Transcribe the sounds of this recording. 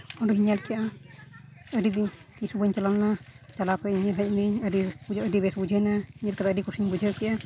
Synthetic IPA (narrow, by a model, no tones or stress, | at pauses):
ɔɖɔɦiɲalkɛʔa | əɖid̪iɲkisubəɲt͡ʃalalnat͡ʃalakɔiɲalɦəc̚miɲəɖibud͡ʒəɖibɛsbud͡ʒʱənahiɲalkad̪aəɖikusiɲbud͡ʒʱəwkɛʔa